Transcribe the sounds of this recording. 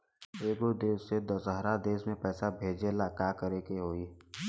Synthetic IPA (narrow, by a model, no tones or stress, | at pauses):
eːɡod̪eːsːed̪əsɦɾad̪eːsmẽpɛːsabʱeːd͡ʒelakaːkəɾekeɦoːi